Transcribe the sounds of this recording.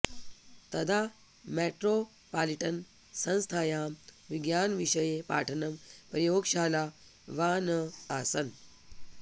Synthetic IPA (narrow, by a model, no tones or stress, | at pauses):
t̪ɐd̪ʱa | meʈɾo | paliʈən | sə̃ñst̪ʰajaːmʋiɡjaːnʋiɕəjepa̰ʈʰənəmpɾɐjoːkɕala | ʋaːnəasən